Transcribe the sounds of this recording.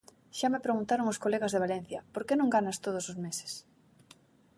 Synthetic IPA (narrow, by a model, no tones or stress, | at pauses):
ʃamepɾeɣunt̪aɾoŋʊskoleɣɐzðeβalen̟θjɐpoɾkenõŋɡanɐst̪oð̞ʊsozmese̥s